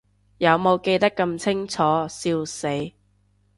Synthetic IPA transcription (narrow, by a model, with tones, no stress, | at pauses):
jɐ˨˧wmo˨˧wke˧jt̪ɐ˥kːɐ˧mt͡sʰɪ˥ŋt͡sʰɔː˨˥˦siː˧wse˨˥j